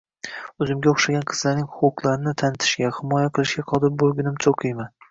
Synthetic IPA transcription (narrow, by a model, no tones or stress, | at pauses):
ɵzɪmɡʲaoχʃaɡʲanqʰɨ̥z̥laɾnɪŋhʊqʰʊqlˠaɾɪnɪt̪ʰanɪt̪ʰɪ̥ʃɡʲahɪmɒjaqʰɨlˠɪʃɡʲaqʰɒd̪ɪɾbolˠɡʲɪnɪmsʰoqʰɨjman